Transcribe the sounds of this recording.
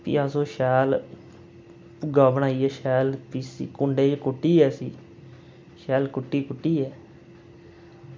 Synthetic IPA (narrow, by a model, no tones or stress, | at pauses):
pḭːasõːʃɛːl | ʊɡaːʋəɳaːiːɛːʃɛːlpisiːkʊɳɖeːd͡ʒkʊʈːiːɛːsiː | ʃɛːlkʊʈːiːkʊʈːiːɛː